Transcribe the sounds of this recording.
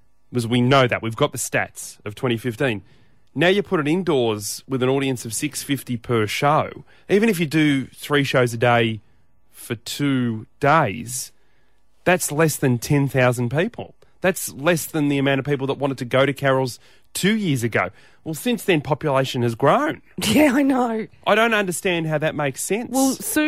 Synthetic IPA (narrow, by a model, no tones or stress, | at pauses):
wʌzwinoʊðɨ̰ʔ̚wivɡɑt̪̚ðɨstæ̰tsʌv̥tʰw̥ɛ̃ɾ̃ifɪftĩnː | aʊjɨpʰʊɾɨɾɪ̃ndɔɹzwɨðɨ̃ñɔɾiɨ̃nsʌv̥sɪksfɪftipʰə˞ʃoʊ | ʔivɨ̃ɾ̃ɨfjɨdɨθɹiʃoʊzɨdeɪ | fə˞tʰʉd̥eɪz | ðætslɛsðɨ̃ntʰɛ̃nθaʊz̃n̩pipʰl̩ˠ | ðætslɛsðɨ̃nðiɨmãɾ̃tʌv̥pipl̩ˠðəʔ̚wɑ̃ɾ̃ɨd̚tʰɨɡoʊɾɨkʰɛɹl̩ˠz̥ | tʰʉjɪɹzɨɡoʊ | wɛlˠsɪ̃nsðɨ̃npʰɑpjɨleɪʃɨ̃nɨzɡɹõʊ̃n | jæaɪnoʊʔaɪɾõʊ̃ntʌ̃ndə˞stæ̃nd̚ɦaʊðɨt̚meɪksɛ̃nwˠs